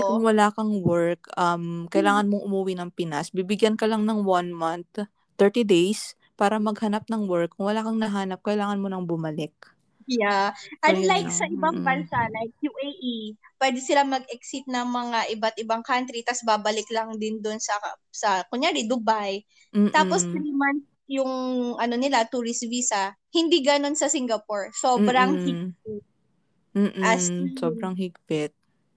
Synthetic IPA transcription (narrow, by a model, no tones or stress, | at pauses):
kʊŋwɐlaːkɐŋwɛɹkʔɐmkɐjlaːŋɐnmoŋʔʊmuwinɐŋpɪnasbibɪɡjankɐlɐŋnɐŋwanmant̪ː | ɛɹt̪id̪ɛjs | paːɾɐmɐɡhɐnap̚nɐŋwɛɹkːʊŋwɐlaːkɐŋnɐɦaːnɐp̚kɐjlaːŋɐnmonɐŋbʊmɐlɪk̚ | jaʔɐnlajksɐʔɪbaŋbɐnsalajk̚juʔejʔipwɛd̪ɛsɪlamɐɡ̚ʔɛk̚sɪt̪̚nɐŋmɐŋaʔɪbat̪̚ɪbaŋkant̪ɾit̪ɐsbabɐlɪklɐŋd̪ɪnd̪onsɐsɐkʊɲjaːɾɪd̪ʊbaj | t̪aːpo̞st̪ɾiːman | jʊŋʔɐno̞nɪlat̪uɾɪsviːsɐ | hɪnd̪iɡɐno̞nsɐsiŋɡɐpoɹso̞bɾɐŋhiɡ̚p̚ɪt̪̩̚ː | ʔʔassoːbɾɐŋɦɪɡpɪt̪̚